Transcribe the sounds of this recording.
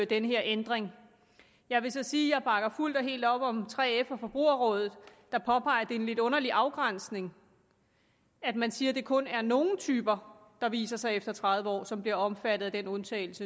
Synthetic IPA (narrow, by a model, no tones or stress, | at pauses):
d̥enəɦe̝ɐʔend̥ʁeŋ | jɑ̈ɪʋe̝sɒ̽siːjɑ̈ɪb̥ɑ̈ɡ̥ɐful̰d̥ɒ̽ɦe̝̰ːld̥ɒ̽b̥ɒ̽mt͡sʰʁɛ̰ːefæfɒ̽b̥ʁṵːɐʁɔ̽ːð̞ˠð̩ˠd̥ɑ̈pʰɒ̽pʰɑ̈ɪɐd̥e̝enle̝d̥ɔ̽nɐliʔɑ̈ʊɡ̥ʁan̰sne̝ŋ | æd̥mænsiːɐd̥e̝kʰɔ̽næɐno̝ːn̩t͡sʰyːb̥ɐd̥ɑ̈ʋḭːsɐsɑ̈ɪefd̥ɐt͡sʰʁɑðˠʋəɒ̰ːsɒ̽mb̥liɐɒ̽mfædɾ̥ð̩ˠæd̥enɔ̽nt͡sʰɛ̰ːl̩sə